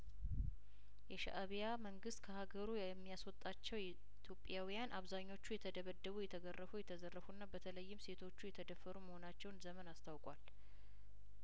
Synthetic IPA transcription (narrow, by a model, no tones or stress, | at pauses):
jɛʃa̰ʔaβijaməŋɡɨst̪kʰəhaɡəɾu | ɛmːijaswɔt̪ʼːat͡ʃːɛw | t̪ʰjo̞pʼːjawijanʔaβzaɲːo̞t͡ʃːujɛt̪ʰəd̪əβəd̪ːəβujɛt̪ʰəɡərːəfujɛt̪ʰəzərːəfunːabət̪ʰələjːɪmse̞t̪ʰo̞t͡ʃːujɛt̪ʰəd̪əfːəɾuməho̞nat͡ʃːɛwnzəmənast̪ʰawkʼwal